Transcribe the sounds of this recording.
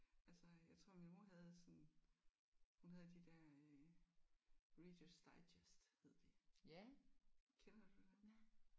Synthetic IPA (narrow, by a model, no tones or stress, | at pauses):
ʔælsəjɑ̈ɪt͡sʰʁo̝̰minmoɦæð̞ˠsɒ̽n | hunɦæð̞ˠd̥id̥ɛɐ̰ø | ʁid̥əsd̥ɑ̈ɪdesd̥he̝ð̰ˠd̥e | kʰenɐd̥u̥